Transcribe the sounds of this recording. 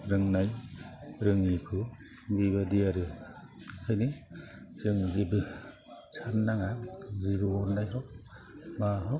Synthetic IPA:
ɾɯŋnaj | ɾɯŋikʰɯ | biβadijaɾɯ | kʰɯjniz̥ɯŋzibɯ | sʰanːaŋazibɯɔɾnajɦɔk̚maɦɔ

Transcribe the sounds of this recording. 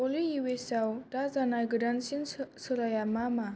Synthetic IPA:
olijuwesawdazanajɡɯdansinsɯɾajamama

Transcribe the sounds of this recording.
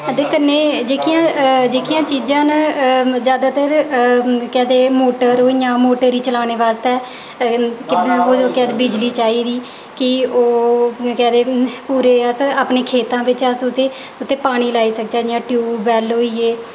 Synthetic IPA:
əd̪eːkənːeːd͡ʒeːkʰijãːd͡ʒeːkʰijãːt͡ʃiːd͡ʒãːnzjaːd̪aːt̪əɾ | kɛːd̪eːmoːʈəɾɦoːiːjãːmoːʈəɾiːt͡ʃəlaːneːʋaːst̪ɛː | kɪboːd͡ʒoːkɛːd̪eːbɪd͡ʒliːt͡ʃaːiːd̪iː | kɪoːkɛ̃ːd̪eːpuːɾeːəsaːpneːkʰeːt̪ãːʋɪt͡ʃəsʊt̪eː | ʊt̪ʰːeːpaːɽ̃iːlaːiːsək̚d͡ʒaːjãːʈjuːbɛːloːiːeː

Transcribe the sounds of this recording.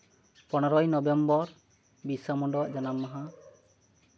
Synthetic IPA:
pɔnɔɾɔjnɔbembɔɾ | bisamɔɳɖɔʔd͡ʒanamːaɦã

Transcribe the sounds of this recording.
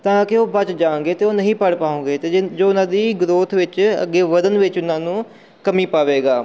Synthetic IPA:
t̪ãːkɪoːbət͡ʃd͡ʒãːŋɡeːt̪eːoːnəɦĩːpəɽpaːõːŋɡeːt̪eːd͡ʒoːʊnãːd̪iːɡɾoːt̪ʰʋɪt͡ʃə̰ɡːeːʋəd̪ənʋɪt͡ʃʊnãːnũː | kəmiːpaːʋeːɡaː

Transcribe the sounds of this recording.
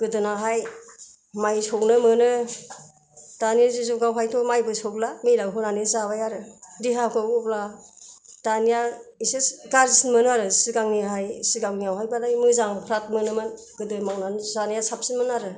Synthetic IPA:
ɡ̥ɯdɯnaɦaj | majsʰɔknɯmɯnɯ | d̥anzizoɡawɦajtʰɔmajbɯsɔk̚lamilawɦɯnanizaβajaɾɯdiɦakʰɯɔpla | d̥anijaisesɡaɾzisinmɯnɯaɾɯsiɡaŋniaɦajsiɡawniawɦajbalajmɯzaŋpʰɾat̚mɯnɯmɯn | ɡ̥ɯdɯmawnanzanijasap̚sinmɯnaɾɯ

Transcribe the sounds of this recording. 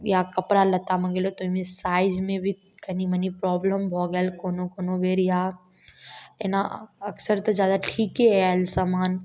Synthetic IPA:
jakɐpɾalɐt̪amɐɡelot̪oimẽsaːɪd͡ʒmẽbʱi | kɐnimɐnipɾɔːbləmbʱɔːɡɛlkoːnokoːnobeːɾja | ḛnaɐksəɾt̪od͡ʒjaːd̪aʈʰiːkɦɛɛlsamaːn

